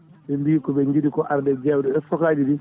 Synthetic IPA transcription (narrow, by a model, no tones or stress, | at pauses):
bɛmbiːkɔbɛɲɡidikɔʔaɾdɛd͡ʒɛwdɛɛsɔkaːd͡ʒidi